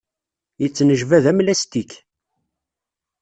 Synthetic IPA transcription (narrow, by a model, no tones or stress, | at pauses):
jət͡sːnəʒvæðæmlæst̪ik